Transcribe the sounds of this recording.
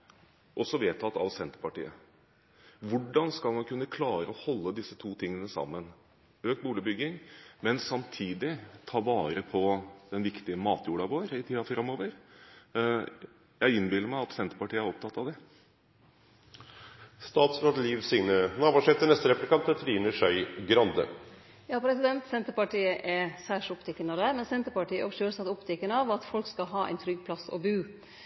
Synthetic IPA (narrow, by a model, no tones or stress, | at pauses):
ʔɔsːɔʋeːt̪ʰɑt̪ːɑ̰ʋsɛnt̪əɾpɑʈḭːə | ʋʊɖɑnskɑlmɑnkʰʉnːəkʰlɑːɾəɔhɔlːəd̪ɪsːət̪ʰuːt̪ʰɪŋːənəsɑ̰mːən | øːk̚t̪buːlɪbʏɡɪŋmɛnsɑmt̪ʰiːd̪ɪt̪ʰɑːʋɑːɾəpʰɔd̪ɛnʋɪkt̪ɪəmɑːt̪juːɖɑʋoːəɾɪt̪ʰiːɑfɾɑmːoːʋəɾ | jæɪɪnːbɪlːəɾmæɪɑt̪sɛnt̪ə̥pɑʈiːəæɾɔp̚t̪ʰɑt̪ːɑʋd̪ɛ | st̪ɑːt̪sɾɑd̪liːʋsɪŋnənɑːbɑʂɛt̪ːəɳɛst̪əɾɛpʉlɪkʰɑnt̪ət̪ʰɾiːnəʂœʏɡɾɑnd̪ə̰ | jɑːpʰɾɛsɪd̪ɛnt̪sɛnt̪əɾpɑʈiːəʔɛsæːʂɔpt̪ʰɛkːənəd̪æmɛnsɛnt̪əɾpɑʈiːəʔɔʋʃøːlsɑt̪ːɔpt̪ʰɛkːənəɑʋɑt̪fɔlkskɑlɦɑːʔæ̰ɪnt̪ʰɾʏɡːpʰlɑsɔ̰bʉː